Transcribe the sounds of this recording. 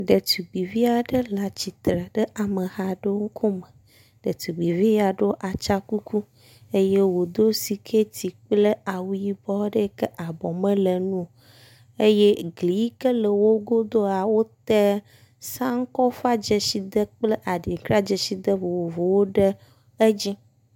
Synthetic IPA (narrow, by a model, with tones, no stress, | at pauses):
ɖə˨t̪u˨ɡ͡bi˨vi˦a˨ɖə˦la˨t͡ɕi˨t̪ɾə˨ɖə˦ʔa˨mə˨ha˨ɖə˦ŋ̩˦kʰo˦mə˨ | ɖ̥ə˨t̪u˨ɡ͡bi˨vi˦ja˨ɖə˦o˦ʔa˨t͡ʃa˦ku˦ku˦ | e˦je˦wo˨d̪o˦si˨kʰe˦t̪i˨k͡plə˦a˨wu˦ji˦bɔ˦ɖə˦kə˦ʔa˨bɔ˨mə̃˦lə˨nũ˦˨ | e˦je˦ɡli˨ji˦kə˦lə˨wo˦ɡo˦d̪o˦a˨wo˦t̪ɛ˦ | sã˦ŋ̩˦kɔ˦fa˦d͡ʒe˨si˨d̪ə˦k͡plə˦ʔa˨ɖi˨ŋ˨kɾa˦d͡ʒe˨si˨d̪ə˦vo˨wo˨vo˨wo˦ɖə˦ | e˦d͡ʑi˦